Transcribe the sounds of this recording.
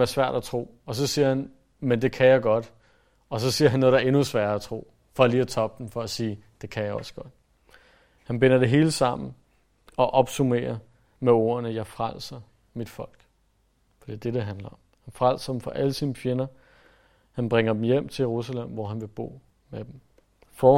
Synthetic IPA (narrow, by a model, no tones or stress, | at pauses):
æɐsʋæɐ̰ɾ̥æt͡sʰʁo̝̰ː | ɒ̽s̬ɒ̽siːɐhæn | mend̥e̝kʰæjɑ̈ɪɡ̥ɒ̽d̥ | ɒ̽s̬ɒ̽siːɐɦænːoːðˠdæɐe̝nusʋæːɐæt͡sʰʁo̝̰ː | fɒ̽liːæt͡sʰɒ̽b̥̚d̥em̩fɒ̽æsiːd̥e̝kʰæjɑɒ̽sɡ̥ɒ̽d̥̚ | hænb̥e̝nɐd̥e̝ɦe̝ːləsɑ̈m̰n̩ | ɒ̽ʔɒ̽b̥sumḛːɐ | meo̝̰ːɐnəjɑ̈ɪfʁal̰sɐ | mid̥fɒ̽l̰ɡ̥ | fɒd̥ḭɐd̥ed̥e̝ɦænlɐɒ̽mhænfʁal̰sɐd̥em̩fɒ̽ʔæləsinəfje̝nɐ | hænb̥ʁeŋɐd̥em̩jem̰t͡sʰe̝jeʁusælem̰ʋɒɦænʋe̝b̥o̝̰ː | med̥em̩ | fɒː